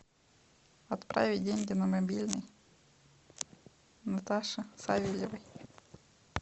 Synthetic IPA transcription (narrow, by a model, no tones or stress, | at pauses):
ɐt̪pɾʔa̰vʲɪdʲeŋʲɡʲɪnɐmɐbʲilʲnɨj | nɐt̪aʂɨsavʲɪlʲɪvɨj